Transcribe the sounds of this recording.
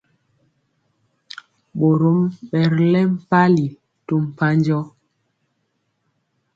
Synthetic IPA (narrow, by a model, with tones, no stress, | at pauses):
ɓo˨ɾo˨˦mɓɛ˨ɾlɛ˦m̩˨pa˦li˨ | to˦m̩˨pa˦nd͡ʒɔ˦